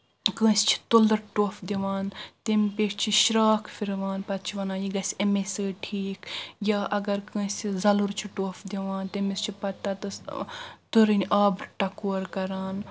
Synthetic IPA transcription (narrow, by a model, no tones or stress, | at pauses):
kə̃ːst͡ʃʰi̥t̪old̪ɐɾʈoːfd̪iʋaːnt̪empeːʃʰt͡ʃʰiʃiɾaːkʰfʰiɾʋaːnpɐt̪̚t͡ʃʰiʋɐnaːjiɡɐsʲɐmesəːʈʰiːkjaːʔɐɡɐɾkə̃ːsʲizɐluɾt͡ʃʰiʈoːfd̪iʋaːnt̪emist͡ʃʰipɐt̪ːat̪ɐ | t̪uɾinʲaːbɾʈɐkoːɾkɐɾaːn